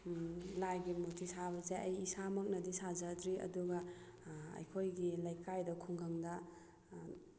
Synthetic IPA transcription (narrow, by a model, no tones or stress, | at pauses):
lajɡimotʰisabɐzejɐjisamɐk̚nɐdisazɐdɾiɐ̰duɡɐ | ɐ̰jkʰojɡilɐjkajdɐkʰuŋɡaŋdɐ